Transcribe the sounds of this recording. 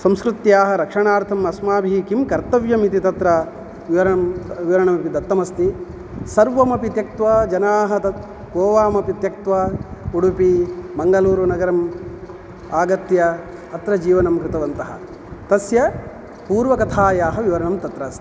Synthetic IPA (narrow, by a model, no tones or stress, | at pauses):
sɐmskɾut̪jaːɦɐɾɐkʂɐɳaːɾt̪ʰɐmɐsmaːbʱiikimkɐɾt̪ɐʋjɐmit̪it̪ɐt̪ɾɐ | ʋiʋɐɾɐɳɐmʋiʋɐɾɐɳɐmɐpid̪ɐt̪ːɐmɐst̪i | sɐɾʋɐmɐpit̪jɐk̚t̪ʋɐd͡ʒɐnaːɦɐɐ | koːʋaːmɐpit̪jɐk̚t̪ʋɐuɽupibɐŋɡɐluːɾunɐɡɐɾɐm | aːɡɐt̪jɐːt̪ɾɐd͡ʒiːʋɐnɐmkɾɪt̪ɐʋɐnt̪ɐɦɐ̰ | t̪ɐsjɐ | puːɾʋɐkɐt̪ʰaːjaːɦɐʋiʋɐɾɐɳɐmt̪ɐt̪ɾɐːst̪i̥